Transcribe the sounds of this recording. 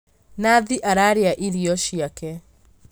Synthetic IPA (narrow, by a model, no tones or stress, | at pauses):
naðiʔaɾaɾeaʔiɾiɔʃiakɛ